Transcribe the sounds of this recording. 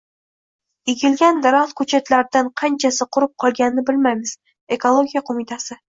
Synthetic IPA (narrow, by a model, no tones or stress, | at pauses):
eɡʲɪlɡʲand̪aɾaχt̪kʰɵt͡ʃʰat̪laɾd̪anqʰɑnt͡ʃʰasɪqʰʊɾɨp̚qʰɒlˠɡʲanɪnɪbɪlmajmɪz̥ | e̞kʰolˠoɡʲijaqʰomɪt̪ʰasɪ